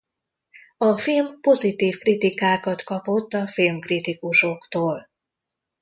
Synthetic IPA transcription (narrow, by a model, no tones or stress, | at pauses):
ɒfilmpo̞zit̪iːfkrit̪ikaːkɒt̪kɒpo̞t̪ːɒfilmkrit̪ikuʃokt̪oːl